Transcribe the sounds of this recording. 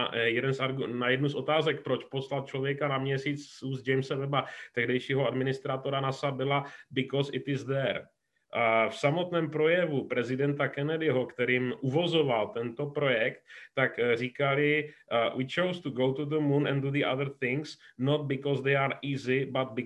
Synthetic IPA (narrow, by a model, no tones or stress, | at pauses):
jɛdɛnsʔaɾɡunajɛdnusʔo̞t̪aːzɛk̚pɾo̞t͡ʃpo̞slat̪̚t͡ʃlo̞vjɛkanamɲɛsiːt͡sːuːzd͡ʒɛjmsɛvɛbat̪ɛɦdɛjʃiːɦoadmɪnɪst̪ɾat̪o̞ɾanasabɪlabɪkɔsɪt̪ɪzd̪ɛɾ | fsamo̞t̪nɛːmpɾo̞jɛvupɾɛzɪdɛnt̪akɛnɛdɪɦokt̪ɛɾiːmʔuvo̞zo̞valt̪ɛnt̪o̞pɾo̞jɛkt̪ːakriːkalɪwʔit͡ʃowst̪uɡowt̪uðəmũnɛ̰̃nduðiʔa̰ðəɾθɪŋsnot̪̚bɪkɔzd̪ejaɾiːzɪbat̪̚bɪ